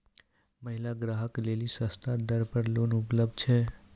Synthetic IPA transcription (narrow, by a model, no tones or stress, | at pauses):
məɦilaɡɾaːɦəklelisə̃st̪ʰad̪əɾpəɾlonʊpləb̚d̪̚t͡ʃʰɛ